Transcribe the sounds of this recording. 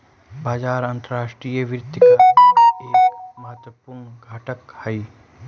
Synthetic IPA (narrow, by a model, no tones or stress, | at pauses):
baːd͡ʒaːɾãnt̪əɾaːʃʈɾijəʋɾɪt̪ːkaeːkkmɐɦət̪ʋəpuɾɳɡʱaːʈəkhɐiː